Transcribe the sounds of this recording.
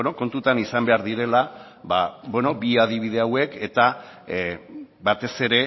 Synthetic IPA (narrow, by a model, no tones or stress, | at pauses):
enoko̞nt̪ut̪anisambe̞aɾðiɾe̞la | βabwe̞no̞biað̞iβ̞ið̞e̞awe̞ke̞t̪a | bat̪e̞se̞ɾe̞